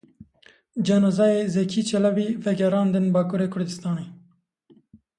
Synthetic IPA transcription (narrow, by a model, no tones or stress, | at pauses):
d͡ʒɑːnozɑːjeːzɛkʰiːt͡ʃʰɛlɑbiːvɛɡɛɾɑːnd̪ɨnbɑːkuːɾeːkʰʊɾd̪ɨst̪ɑːneː